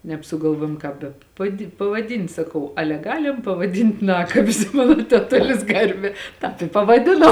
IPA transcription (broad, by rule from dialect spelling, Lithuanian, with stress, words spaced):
nʲɛpsʊɡɐlˠˈʋuɔjoːm ˈkɑːp bʲɛ pɐˈdʲɪ pɐʋɐˈdʲɪnʲtʲ sɐˈkɐʊ ˈɑːlʲɛ ˈɡɑːlʲɪm pɐʋɐˈdʲɪnʲtʲ ˈnɑːkɐbʲɪs ˈmɑːnoː tʲɛˈtʊlʲɪs ˈɡɐrʲbʲɛː ˈtɑːp ɪ pɐʋɐˈdʲɪnoː